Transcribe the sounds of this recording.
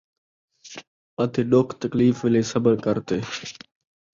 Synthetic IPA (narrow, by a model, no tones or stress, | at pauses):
ɐt̪ʰeɗoːkʰt̪əkliːfʋɪlesɐbəɾkɐɾt̪eː